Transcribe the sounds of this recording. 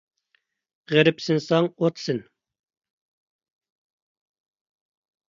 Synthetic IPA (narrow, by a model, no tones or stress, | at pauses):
ʁɛɾɪpsɪnsɑŋot̪sɪn